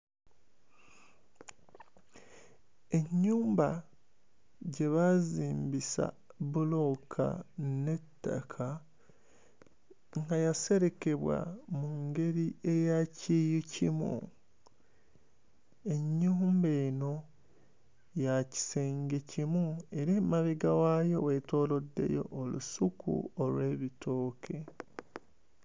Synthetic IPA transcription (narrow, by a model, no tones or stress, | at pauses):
e̞ɲːuːmba | ɟe̞βaziːmbisa̰ | βulo̞kʰa̰ne̞tːa̰kʰa | ŋɡajase̞ɾe̞ke̞βwa̰muŋɡe̞ɾie̞jacijucimṵ | e̞ɲːuːmbeːno̞ | jaci̥seːŋɡecimue̞ɾemaβeɡawajo̞weto̞ːlo̞dːe̞̰jo̞̰ʔːlṵsukṵolwe̞ːβitʰo̞ːkʰe̞